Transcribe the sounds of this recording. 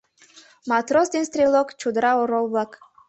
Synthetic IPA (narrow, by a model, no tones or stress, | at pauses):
mɑt̪ɾosd̪enst̪ɾʲilˠokt͡ʃud̪ɾɑoɾolˠβɑk